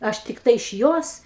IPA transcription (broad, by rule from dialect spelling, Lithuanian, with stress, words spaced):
ˈɐʃ tʲɪkˈtɐɪ ɪʃ ˈjoːs